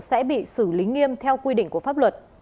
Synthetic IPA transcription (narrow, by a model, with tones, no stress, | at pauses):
sɛ̰˧˥ɓḭ˧˨sɨ˧˩li˨˦ŋi˧əmt̪ʰɛ˧wkwi˧ɗḭ̈˧˨ŋ̟ku˧˩əfa˦˥p̚lwə˨˩t̚